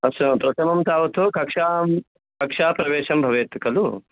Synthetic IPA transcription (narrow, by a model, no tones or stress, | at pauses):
ɐsɐpɾɐt̪ʰɐmɐmt̪aːʋɐt̪okɐkʂaːm | kɐkʂaːpɾɐʋeːʃɐmbʱɐʋeːt̪kɐlu